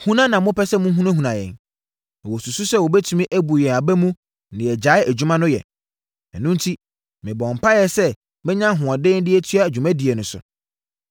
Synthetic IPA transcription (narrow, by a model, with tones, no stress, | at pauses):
hũ˦nã˦nã˨mʊ̃˦pʰɛ˦sɛ˦mʊ̃˦ɦũ˦nã˦ɦũ˨nã˨jɛ̰̃˨n˨ | wɔ˨su˨su˦sɛ˦˨wɔ˨bɛ˦tʰũ˦mĩ˦ʔæ˦bu˨jɛ˨a˨bæ˦mũ˦ | nɪ̃˨ɛ˨d͡ʑa˨˦ɪ˦æ˨d͡ʑᶣu˦mã˦nʊ̃˦jɛ̰˨ | ɛ˨nũ˦n˦tʰi˦ | mɪ̃˨bɔ̃˨m̩˨pʰa˦jɛ˨sɛ˦ | mɪ̃˦ɲã˦ɦʊ̃˨ɔ̃˨dɪ̃ː˦n˦dɪ˦ɛ˦tʰɥa˦æ˨d͡ʑᶣu˨mæ̃˦di˨ɛ˨nʊ̃˨sʊ̰˨